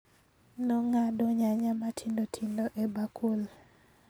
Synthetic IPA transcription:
nɔŋadoɲaɲamatʰindotʰindoʔebakʰul

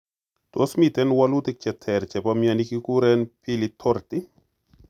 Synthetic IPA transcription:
t̪osmit̪ɛnwalut̪ɪk̚t͡ʃɛt̪ʰɛɾt͡ʃɛpamjanikikuɾɛnpilit̪ʰɔɾt̪i

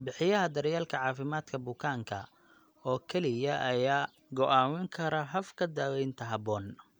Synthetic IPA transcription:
bɪħɪjɐɦɐd̪ɐɾjaːlkʰɐʕɑːfɪmaːd̪kʰɐbʊkʰaːŋkʰɐ̰ | ɔːkʰɛlɪjɐʔɐjaː | ɡɔʔaːmɪŋkʰɐɾɐɦɐfkʰɐd̪aːwɛjnt̪ʰɐɦɐbɔːn

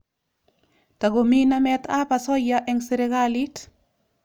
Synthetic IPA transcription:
taɡominamɛtapasɔjaʔɛŋseɾeɡalit

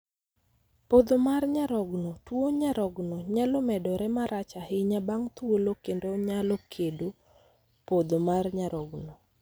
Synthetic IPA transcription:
pod̪omarɲaɾɔɡnɔtwoɲaɾɔɡnɔɲalomɛdɔɾɛmaɾʔat͡ʃahɪɲabaŋt̪wolokendoɲalokʰedo | pod̪omarɲaɾɔɡnɔ

